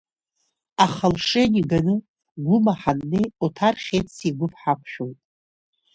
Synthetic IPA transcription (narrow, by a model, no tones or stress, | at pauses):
aχalʂeniɡanɨ | ɡʷʊmaħanːejotʰarχʲet͡sʰiɡʷʊpʰħakʷʰʃᶣojtʼ